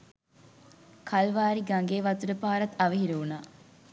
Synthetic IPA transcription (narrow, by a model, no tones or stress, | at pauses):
kʰalʋaːɾiɡaŋɡeːʋat̪uɾəpaːɾɐt̪ɐʋəɦiɾəunaː